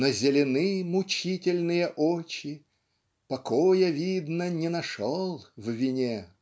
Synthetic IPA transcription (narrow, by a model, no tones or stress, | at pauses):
nəzʲɪlʲɪnɨmʊt͡ɕitʲɪlʲnɨjəʔot͡ɕɪ | pɐkojəvʲid̪nənʲɪnɐʂolˠvvʲɪnʲe